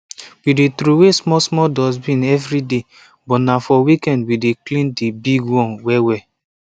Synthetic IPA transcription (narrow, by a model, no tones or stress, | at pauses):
widetɾowesmɔsmɔdɔsbĩnɛvɾide | bɔnafɔwikɛ̃ndwideklĩndebiɡwɔ̃nwɛwɛ